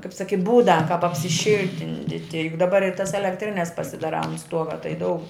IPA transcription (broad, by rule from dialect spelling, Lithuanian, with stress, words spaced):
kɐɪp ˈsɑːkʲɪ ˈbuːdɐ kɐp ɐpʲsʲɪˈʃʲɪlʲtʲɪnʲdʲɪtʲɪ jʊk dɐˈbɐr ɪr tɐs ɛlʲɛkˈtʲrʲɪnʲɛs pɐsʲɪdɐˈrɑː ɐnt ˈstuɔɡɐ tɐɪ ˈdɐʊk